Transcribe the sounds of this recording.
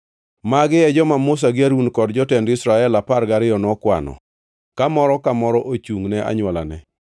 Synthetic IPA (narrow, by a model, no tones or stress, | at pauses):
maɡɪɛd͡ʒɔmamos̬aɡɪaɾunkɔdd͡ʒɔtɛndɪsɾaɛlaparɡaɾɪjɔnɔkwa̰nɔ̰ | kamɔɾɔkamɔɾɔʔot͡ʃuŋnɛʔa̰ɲwɔla̰nɛ